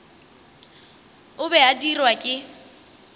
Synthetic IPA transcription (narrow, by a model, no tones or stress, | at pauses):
ʊbɛadirwakʼɪ